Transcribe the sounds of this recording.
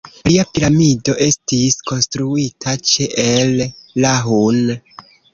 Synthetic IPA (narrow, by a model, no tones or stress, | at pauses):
liapiɾamido̞ʔe̞stisko̞nstɾuitʰat͡ʃeʔelːaɦun